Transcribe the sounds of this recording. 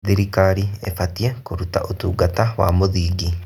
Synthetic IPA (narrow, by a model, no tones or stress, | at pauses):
ðiɾikaɾiefatijekuɾuta̰ʔutuːɡatawa̰muðiɡi